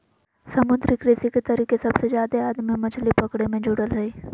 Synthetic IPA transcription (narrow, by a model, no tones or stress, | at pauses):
sɐmʊd̪ɾɪkɾɪsiket̪ɐɾiːkesɐbsezjaːd̪eaːd̪mimɐt͡ʃʰlipɐkɽemẽd͡ʒʊɽəlɦɐi